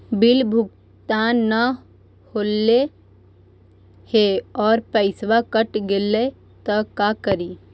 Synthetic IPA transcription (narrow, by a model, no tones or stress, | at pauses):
bɪlbʱʊɡ | t̪aːnːə | hoːlːe | heɔːɾpəɪsʋakəʈɡele | t̪əkakəɾiː